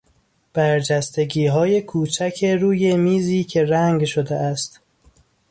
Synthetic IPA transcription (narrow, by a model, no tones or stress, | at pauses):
b̥æɾd͡ʒæst̪e̞ɡiːɦɒːje̞kʰuːt͡ʃʰæcʰe̞ɾuːjemiːziːcʰe̞ɾæŋɡʃod̪eæst̪